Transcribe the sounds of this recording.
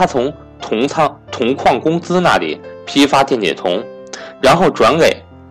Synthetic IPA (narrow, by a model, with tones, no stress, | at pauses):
a˥t͡sʰʊ˧˥ŋ | t̪ʰʊ˧˥ŋʰɑ˥˧t̪ʰʊ˧˥ŋkʰwɑ˥˩ŋkʊ˥ŋt͡sɹ̩˥na̰˥˩lḭ˨˩pʰi˥fa˥t̪jɛ˥˩nt͡ɕjɛ̰˨˩t̪ʰʊ˧˥ŋɻa˧˥nxo˥˩ʊʈ͡ʂwa˧˥nke˨˩˦ɪ